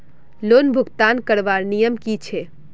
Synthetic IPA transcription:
lonbʱuɡt̪ankəɾʋaɾnijəmkit͡ʃʰe

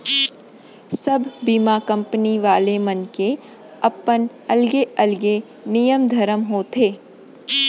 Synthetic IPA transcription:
sɐbʱbiːmakɐ̃mpəniʋaːlemɐnke | ɐpən | ɐlɡeɐlɡe | nijəmd̪ʱɐɾəmɦoːt̪ʰeː

